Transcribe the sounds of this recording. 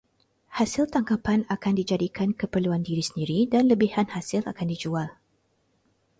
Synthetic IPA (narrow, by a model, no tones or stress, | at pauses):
hasɪlt̪aŋkapanakandid͡ʒadikʰankəpərluandiɾisəndiɾidanləbihanhasɪla̰kandid͡ʒual